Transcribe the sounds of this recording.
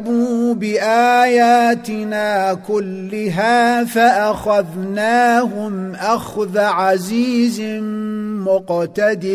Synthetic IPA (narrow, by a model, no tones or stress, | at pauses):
buːbɪʔaːjaːt̪ɪnaːkʊlːɪɦaːfaʔaxaðnaːɦʊmʔaxðaʕaziːz | mʊqt̪ad̪ɪ